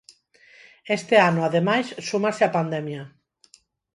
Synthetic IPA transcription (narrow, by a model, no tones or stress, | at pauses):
est̪eanoaðemajssumaseapand̪ɛmja